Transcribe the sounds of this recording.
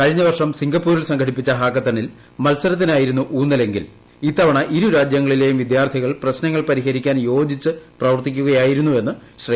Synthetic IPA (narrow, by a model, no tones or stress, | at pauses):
kɐɻiɲːɐʋɐrʂɐmsiŋɡɐpːuːɾilsɐŋɡʰɐɽipːit͡ɕːɐɦaːkːɐt̪ːɐnil | mɐlsɐɾɐt̪ːinaːjiɾunːuʔuːnːɐle̞ŋɡḭl | iːt̪ːɐʋɐɳɐʔiɾuɾaːd͡ʑjɐŋːɐɭile̞ːjumʋid̪jaːrt̪ʰiɣɐɭprɐɕnɐŋːɐɭpɐɾiɦɐɾikʲːaːnjo̞ːd͡ʑit͡ɕːɨprɐʋɐrt̪ikʲːuɣɐjaːjiɾunːue̞nːɨɕrɐ